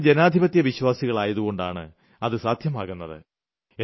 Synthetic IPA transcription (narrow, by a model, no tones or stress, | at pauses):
d͡ʑenaːd̪ʱibɐt̪jɐʋiɕwaːsiɣɐɭaːjɐðuɣo̞ɳɖa̰ːɳɨ̰ | ɐðɨsaːd̪ʱjɐmaːɣunːɐðɨ̰ | e